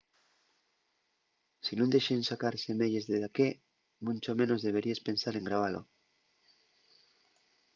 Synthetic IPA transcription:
sinũnd̪eʃensakaɾsemeʎezðeðake | mũnt͡ʃomẽnozðe̞β̞e̞ɾiespẽ̞nsaɾe̞ŋɡɾaβ̞alo̰

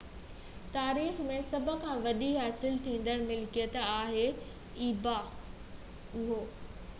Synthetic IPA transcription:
t̪aːɾiːxmẽsɐbʱʊ̆kʰãːʋɐɗiɦaːsɪlt̪ʰĩːn̆d̪əɾmɪlkijət̪aːɦe | iːba | ʊɦoː

